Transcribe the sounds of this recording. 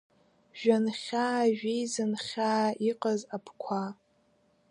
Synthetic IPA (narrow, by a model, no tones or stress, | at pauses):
ʒᶣanχʲaːʒᶣijzɨnχʲaːiqʼazapʰkʷʰa